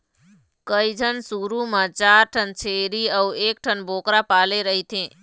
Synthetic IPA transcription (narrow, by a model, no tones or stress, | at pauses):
kəid͡ʒʱənsuɾumãt͡ʃaːɾʈʰənt͡ʃʰeɾiəweːk̚ʈʰənbʱoːkɾapaːleɾəɦit̪ʰẽ